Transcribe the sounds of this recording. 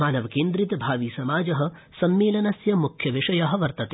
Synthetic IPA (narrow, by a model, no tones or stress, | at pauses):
aːnɐʋɐkeːnd̪ɾit̪ɐbʱaːʋiːsɐmaːd͡ʒɐɦɐ̆ | sɐmːeːlɐnɐsjɐmukʰjɐʋiʂɐjɐɦɐ̆ʋɐɾt̪ɐt̪e